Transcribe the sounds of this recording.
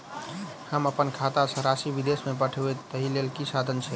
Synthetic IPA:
həməpənkʰat̪asə̃ɾasibid̪esmepəʈʰəeəɦilelkisad̪ʱənt͡ʃʰɛ

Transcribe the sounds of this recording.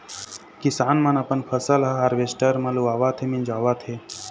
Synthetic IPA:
kisaːnmɐnɐpənpʰəsəlɦəɦaɾʋesʈəɾmɐluaːʋat̪ʰemind͡ʒaːʋat̪ʰe

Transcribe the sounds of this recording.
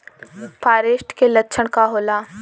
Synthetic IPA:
paːɾeːʃʈkelɐtːʃʰəɽ̃kaɦoːlaː

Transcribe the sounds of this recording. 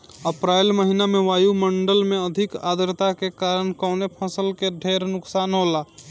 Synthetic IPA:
əpɾajlməɦinameʋaːjuməɳɖəlmeəd̪ʱɪka̰ːd̪ɾt̪akekaːɾəɳkɔʊnepʰə̃səlkeɖʱeːɾnʊksaːnɦola

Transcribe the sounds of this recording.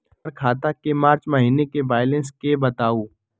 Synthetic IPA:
ɾkʰaːt̪akemaːɾt͡ʃmɐɦiːnekeʋaːjlẽnskebɐt̪aːuː

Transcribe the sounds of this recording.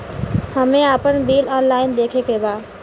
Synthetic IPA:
həmẽaːpənbiːlɔːnlaːɪnd̪eːkʰekʰebaː

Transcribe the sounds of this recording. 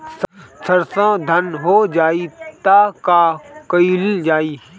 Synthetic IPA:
ssʰəɾsãːd̪ʱənɦoːd͡ʒaːit̪aːkaːkəild͡ʒaːiː

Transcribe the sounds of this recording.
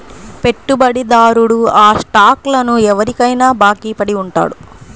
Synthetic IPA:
pe̞ʈːubɐɽid̪aːɾuɽuaːʂʈaːklɐnuɛʋɐɾikɐjnaːbaːkiːpɐɽiuɳʈa̰ːɽu

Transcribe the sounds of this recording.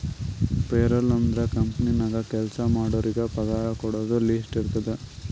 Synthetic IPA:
peːɾɐlɐnd̪ɾɐkɐmpninɐɡɐkɛlsɐmaːɽoːɾiɡepɐɡaːjɐkɔɽoːd̪ulisʈiɾt̪ɐd̪e

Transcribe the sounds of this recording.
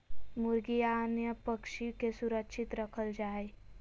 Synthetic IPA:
muɾɡijanjəpəkʂikesuɾəkʂit̪ɾəkʰəld͡ʒaj

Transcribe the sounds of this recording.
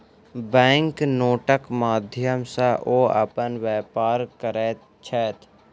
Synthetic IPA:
bɛ̃ːŋknoːʈəkmaːd̪ʱjəmsaʔoːə̰pənʋɛːpaːɾkəɾe | t͡ʃʰɛːt̪

